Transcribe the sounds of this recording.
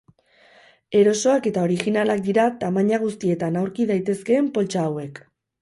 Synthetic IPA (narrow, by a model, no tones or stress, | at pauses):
e̞ɾo̞so̞ake̞t̪ao̞ɾiɣinalak̚d̪iɾat̪amaɲaɣ̞ust̪ie̞t̪anawɾkiðajt̪e̞ske̞ːmpo̞lt͡ʃaːwe̞k